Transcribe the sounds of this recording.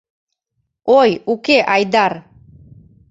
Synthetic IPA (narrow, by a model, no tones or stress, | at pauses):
ojukeʔajd̪aɾ